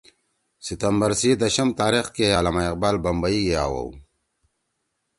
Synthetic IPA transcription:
sit̪ɐmbɐɾsid̪ɐɕɐmt̪aːɾixkejaːlamaiq̚baːlbɐmbɐiɡea̰ːwɐ̰w

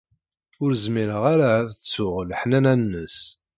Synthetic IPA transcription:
ʊɾzmiɾəʁaɾaːθət͡sːʊʁlħnænænːəs

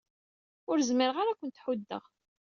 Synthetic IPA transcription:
ʊɾzməɾəʁaɾakʷənt̪ħud̪ːə̰ʁ

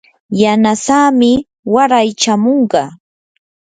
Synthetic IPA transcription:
janasaːmɪ | waɾajt͡ʃamoɴɢɑ

